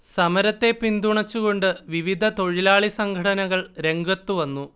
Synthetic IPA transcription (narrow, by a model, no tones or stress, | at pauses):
sɐmɐɾɐt̪ːe̞pind̪uɳɐt͡ɕːuɣo̞ɳɖɨʋiʋid̪ʱɐt̪o̞ɻilaːɭisɐŋɡʱɐɽɐnɐɣɐɭɾe̞ŋɡɐt̪ːuʋɐnːu